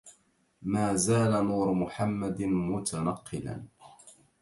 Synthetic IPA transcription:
maːzaːlanuːɾmʊħamːad̪mʊt̪ʰanɑqːɨla̰n

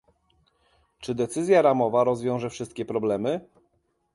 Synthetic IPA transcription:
t͡ʂɘd̪ɛt̪sɘzʲjaɾamɔvaɾɔzvʲjɔ̃w̃ʐɛfʂɘst̪̚kʲɛpɾɔblɛmɘ

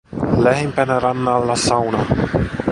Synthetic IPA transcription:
læhempænæɾɑnːɑlːɑsɑwnɑ

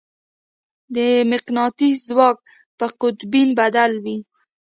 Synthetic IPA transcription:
d̪əmɪqnɑt̪izwɑk̚ | pəqʊt̪binbad̪alwi

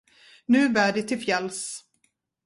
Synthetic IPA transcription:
nʉ̟ːbæːɖɪt̪ʰɪlfjɛls

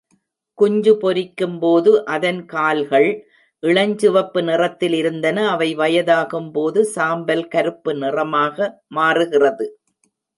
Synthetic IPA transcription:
kʊɲd͡ʒɯpɔɾɪkːɯmpoːðɯʔɐðɐnkaːlɣɐɭ | ʔɪɭɐɲd͡ʒɯʋɐpːɯnɪrɐt̪ːɪlɪɾɯnd̪ɐnɐːʋɐɪʋɐjɐðaːɣɯmpoːðɯsaːmbɐlkɐɾɯpːɯnɪrɐmaːɣɐmaːrɯɣɪrɐðɯ

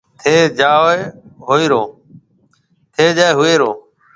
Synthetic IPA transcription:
t̪ʰeːd͡ʒaːoeɦoːiːɾoː | t̪ʰeːd͡ʒaːeɦʊeːɾoː

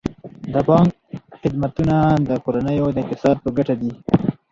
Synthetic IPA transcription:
d̪əpɑŋk̚ | xɪd̪mat̪unad̪əkoɾanəjod̪əɪq̚t̪ɪsɑd̪̚pəɡaʈad̪i

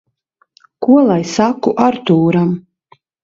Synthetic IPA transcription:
kuɔlˠajsakuʔaɾt̪uːɾam

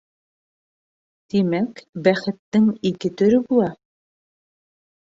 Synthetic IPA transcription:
t̪imækbæχɘ̆t̪ːɘŋikɘt̪ɵ̆ɾɵbulˠɑ

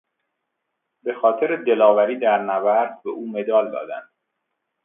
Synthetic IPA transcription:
be̞xɒːt̪ʰeɾed̪e̞lɒːvæɾiːd̪æɾnævæɾd̪̚beʔuːme̞d̪ɒːld̪ɒ̰ːd̪æ̰nd̪̥

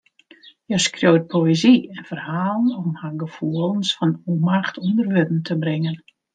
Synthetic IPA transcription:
jɛskrjowt̚pʰoeziɛnfərhaːlˠənɔmhaɡəfuəlˠənsfɔnumaxtʰundərʋødn̩tʰəbrɪŋən

